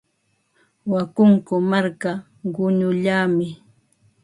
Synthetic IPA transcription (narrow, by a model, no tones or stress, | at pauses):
wakʊŋkʊmaɾka | ɢʊɲʊʎaːmɪ